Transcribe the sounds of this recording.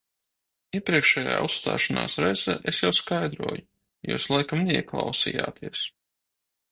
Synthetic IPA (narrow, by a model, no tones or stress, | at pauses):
iɛpɾiɛkʃɛːja̰ːust̪a̰ːʃana̰ːsɾɛjzɛ̰ʔesjawskajd̪ɾuɔju | jṵːslˠajkamneiɛklˠɑwsḭja̰ːt̪ʰiɛs